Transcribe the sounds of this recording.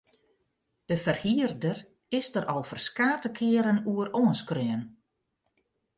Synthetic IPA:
d̥əfərhiərdər | ɪsdəɾʔɔlˠfərskaːtəkʰɪəɾənuəroənskrøən

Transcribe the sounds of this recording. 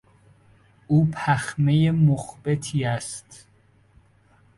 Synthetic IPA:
ʔuːpʰæxme̞jemoxbe̞t̪ʰiːæst̪

